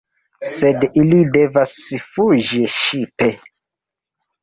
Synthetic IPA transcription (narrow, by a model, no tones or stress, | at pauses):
sedilide̞vasfuʒiʃipe̞